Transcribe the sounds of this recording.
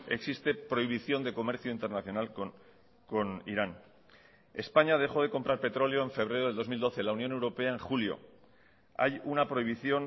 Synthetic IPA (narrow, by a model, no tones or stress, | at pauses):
e̞ksist̪e̞pɾo̞iβ̞iθjo̞nd̪e̞ko̞me̞ɾθjoint̪e̞ɾnaθjo̞nal | ko̞nḭɾan | e̞spaɲaðe̞xo̞ðe̞ko̞mpɾaɾpe̞t̪ɾo̞leoe̞ɱfe̞β̞ɾe̞ɾoe̞ld̪o̞zmild̪o̞θe̞launjonewɾo̞pe̞ae̞ŋxuljo̞̰ | a̰junapɾo̞iβ̞iθjo̞n